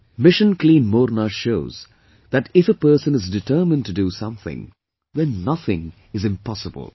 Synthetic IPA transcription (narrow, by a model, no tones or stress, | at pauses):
mɪʃə̃nkʰlĩːnmɔɾnəʃoʊz | ðɨtɪfəpɜ˞sə̃nɨzdɨtʰɜ˞mɨ̃ntʰɨdɨsʌ̃mθɪ̰̃ŋ | ðɛ̃nːʌθɪ̃ŋ | ɨzɨ̃mpʰɑsəbə̰lˠ